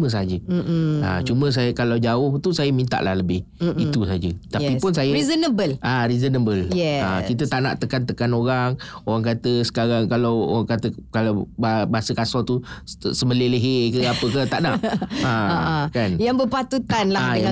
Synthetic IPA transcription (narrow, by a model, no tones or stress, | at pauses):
mə̃s̬ad͡ʒəa̰t͡ʃumə̃s̬ajəkalawd͡ʒaʊht̪usajəmint̪a̰ʔla̰hləbɪh | it̪usad͡ʒət̪apipʊnsajəɾizonəbəlʔaɾizonəbəljɛakit̪əaʔna̰ʔt̪əkant̪əkanoɾaŋoɾaŋkat̪əsə̥kaɾaŋkalawoɣaŋkat̪əkalawbbaasəkasɔt̪usəməleləɦekəapəkət̪a̰ʔnaʔakanjaŋbəpat̪ut̪anlaaja